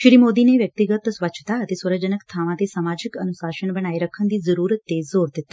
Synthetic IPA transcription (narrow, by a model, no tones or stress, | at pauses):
ʃɾiːmoːd̪iːneːʋjək̚t̪ɪɡət̪sʋətːt͡ʃʰt̪aət̪eːswəɾəd͡ʒənəkt̪ʰaːʋãt̪eːsaːmaːd͡ʒɪkənʊsaːʃənbəɽ̃aːiɾəkʰːənd̪iːzəɾuːɾətt̪ːezoːɾd̪ɪt̪ːaː